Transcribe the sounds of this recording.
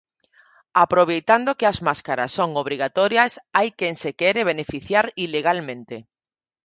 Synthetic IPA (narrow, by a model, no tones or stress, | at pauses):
apɾoβ̞ejt̪and̪okeazmaskaɾa̰sːoŋoβ̞ɾiɣ̞at̪oɾjasajkjensekeɾeβ̞enefiθjaɾileɣ̞almẽ̞nt̪e